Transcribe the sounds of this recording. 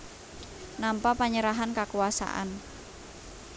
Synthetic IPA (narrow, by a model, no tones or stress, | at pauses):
nampapaɲəɾaɦankakuasa̰ʔa̰n